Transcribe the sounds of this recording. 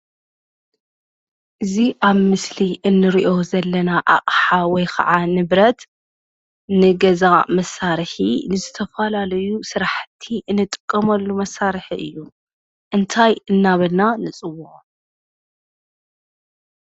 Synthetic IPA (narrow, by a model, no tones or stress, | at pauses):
ʔɨziʔaβmɨsliʔɨnːɨɾiʔo̞zɐlːɐnaʔa̰χʼħawɔjkʰɐ̰ʕanɨβɾɐt̪ | nɨɡɐzamɐsːaɾħinɨzɨt̪ʰɐfɐlalɐjusɨɾaħt̪ʰːiʔɨnːɨt̪ʼɨ̥kʼːɐmɐlːumɐsːaɾħiʔɨ̰jːu | ʔɨnt̪ʰajɨnːaβɐlnanɨt͡sʼɨwuʔ